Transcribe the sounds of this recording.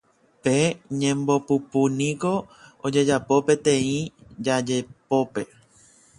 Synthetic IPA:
peɲẽ̞mbo̞pupunĩko̞od͡ʒe̞d͡ʒapo̞pe̞t̪ẽ̞ĩd͡ʒad͡ʒepo̞pe̞

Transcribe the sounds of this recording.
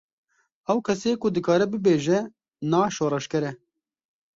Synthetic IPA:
ɛwkʰɛseːkʊd̪ɨkɑːɾɛbɨbeːʒɛ | nɑːʃoːɾɛʃkɛɾɛ

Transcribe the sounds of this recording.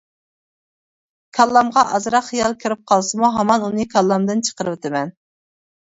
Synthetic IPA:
kʲʰɑlˠːɑmʁɑʔɑzɾɑχijɑlˠkʲʰɪɾɪp̚qʰɑlˠsɨmuɦɑmɑnunɨkʲʰɑlˠːɑmd̪ɨnt͡ʃʰə̥qəɾɨwɪt̪ʰɪmɛn

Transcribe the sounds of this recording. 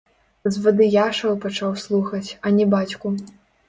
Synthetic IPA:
zvɐd̪ɨjaʂɐwpat͡ʂawslˠuxɐt͡sʲɐnʲɛbat͡sʲku

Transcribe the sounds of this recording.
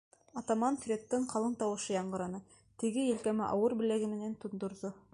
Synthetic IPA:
ɑt̪ɑmɑnfrʲet̪ːɤɴqʰɑlˠɤɴt̪ɑwɤ̆ʃɤjɑɴɢɤ̆ɾɑnɤ | t̪ɘ̆ɡɘjɘ̆lkæmɘʔɑwɤɾbɘ̆læɡɘ̆mɘ̆nænt̪ŏnd̪ŏɾðo

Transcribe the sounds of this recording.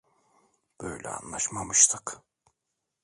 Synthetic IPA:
b̥ø̰jlʲɛ̰a̰nlˠaʃmamɯʃt̪ʰɯk

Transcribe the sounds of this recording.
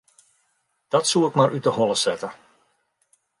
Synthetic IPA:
d̥ɔtsuɪkmaɾʔytəɦɔlˠəsɛtə

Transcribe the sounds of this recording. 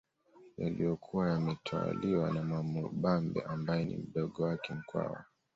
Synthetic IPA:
jalijɔkʰuwajamɛtʰawa̰liwanamwamuɓambɛ̰ʔambajɛnḭm̩ɗɔɠɔwakɛm̩kwa̰wa̰

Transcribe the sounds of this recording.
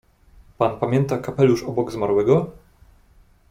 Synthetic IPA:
panpamʲjɛnt̪akapɛluʂɔbɔɡzmaɾwɛɡɔ

